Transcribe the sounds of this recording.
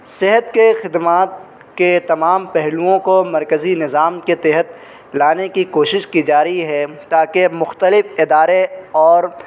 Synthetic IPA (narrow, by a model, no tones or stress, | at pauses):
sɪɦət̪kexɪd̪maːt̪̚ | ket̪ɐmaːmpɛɦluõkomɐɾkəzinɪzaːmket̪ɛɦət̪ | laːnekikoːʃɪʃkid͡ʒaːɾəɦiɦɛt̪aːkemʊxt̪əlɪfɪd̪aːɾeɔːɾ